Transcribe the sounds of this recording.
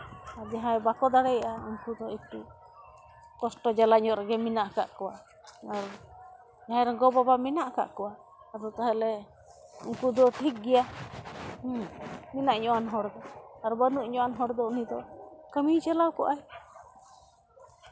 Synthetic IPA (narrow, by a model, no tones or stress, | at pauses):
aɾd͡ʒaɦãjbakɔd̪aɽɛjʔauŋkud̪ɔitu | kɔsʈɔd͡ʒalaɲɔʔɾɛɡɛminaʔka̰ʔkɔwa | aɾ | d͡ʒaɦãjɾɔɡɔbabaminaʔka̰ʔkɔwa | aɾɔt̪aɦɛlɛ | ṵŋkud̪ɔʈʰik̚ɡɛja | minaʔɲɔanɦɔɾd̪ɔaɾbənuʔɲɔanɦɔɾd̪ɔunid̪ɔkəmit͡ʃalawkɔʔaj